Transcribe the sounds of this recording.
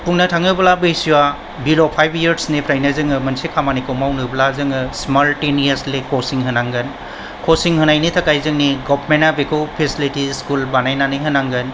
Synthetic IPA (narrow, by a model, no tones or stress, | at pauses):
pʰuŋnɐtʰaŋɯbɐlabɯjsiwa | bilopʰajbjɐɾsnipʰɾajnɐzɯŋɯmɐnsikʰamanikʰomawnɯblazɯŋɯsmaltenieslekosiŋɦɯnaŋɡɯn | kʰosiŋhɯnajnitʰɐkajzɯŋniɡɔpʰmenabekopʰesilitiskulbanajnanɯjɦɯnaŋɡɯn